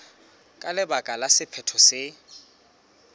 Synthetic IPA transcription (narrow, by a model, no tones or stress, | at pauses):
kʼalɪbakʼalasɪpʰɛtʰɔsɪ